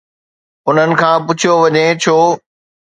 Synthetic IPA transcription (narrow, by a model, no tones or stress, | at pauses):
ʊn̤ənɪ̆kʰãːpʊt͡ɕʰijoʋɐɲẽt͡ɕʰoː